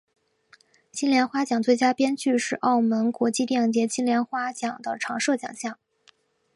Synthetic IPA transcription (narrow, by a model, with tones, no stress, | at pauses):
t͡ɕi˥nljɛ˧˥nxwa˥t͡ɕjɑ˨˩ŋt͡swe˥˩ɪt͡ɕja˥pjɛ˥nt͡ɕy˥˧ʂɻ̩˥˧ʔɑ˥˩ʊmə˧˥nkwɔ˧˥t͡ɕi˥˧t̪jɛ˥˩ŋt͡ɕjɛ˧˥ɕi˥nljɛ˧˥nxwa˥t͡ɕjɑ˨˩ŋd̪ə˦ʈ͡ʂʰɑ˧˥ŋʂɤ˥˩t͡ɕjɑ̰˨˩ŋɕjɑ˥˩ŋ